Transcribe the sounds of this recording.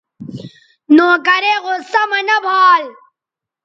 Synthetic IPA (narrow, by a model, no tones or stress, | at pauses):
nõːkɐɾeːɣosɐmɐnɐbʱaːl